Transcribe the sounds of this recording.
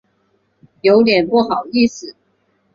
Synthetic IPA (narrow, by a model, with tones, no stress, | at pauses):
jo˧˥ʊt̪jɛ˨˩npu˥˨xɑ˨˩ʊi˥˧s̩˨˩